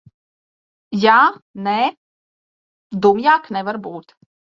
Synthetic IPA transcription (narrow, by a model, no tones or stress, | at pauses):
jaːne | d̪umjaːknɛvaɾbuːt̪